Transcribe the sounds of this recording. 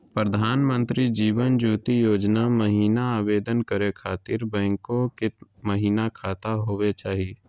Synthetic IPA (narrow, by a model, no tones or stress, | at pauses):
pɾəd̪ʱaːnmə̃nt̪ɾid͡ʒiːʋənd͡ʒuːt̪ijoːd͡ʒnaməɦiːnaaːʋeːd̪ənkəɾekʰaːt̪ɪɾbɛ̃ːŋkokɪt̪məɦiːnakʰaːt̪aɦoːwet͡ʃaːɦieː